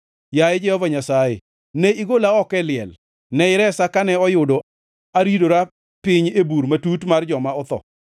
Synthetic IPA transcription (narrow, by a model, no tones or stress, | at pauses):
jajed͡ʒɛhɔvaɲasajḛ | nɛiɡolaɔkɛlɪɛl | nɛɪɾɛsakanɛɔjʊdo | aɾidoɾa | pɪɲebuɾmatutmard͡ʒɔmaɔt̪ɔ̰